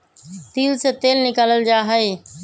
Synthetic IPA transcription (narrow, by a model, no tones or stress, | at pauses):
t̪iːlset̪eːlnɪkaːləld͡ʑaːɦəe